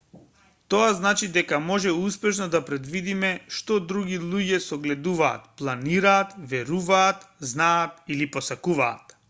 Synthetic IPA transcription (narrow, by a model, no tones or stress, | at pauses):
t̪oaznat͡ʃid̪ɛkamɔʒɛuspɛʃnɔd̪apɾɛd̪vid̪imɛʃt̪ɔd̪ɾuɡilˠuɟɛsɔɡlɛd̪uva̰ːt̪plˠaniɾaːt̪vɛɾuvaːt̪znaːt̪iliposakuva̰ːt̪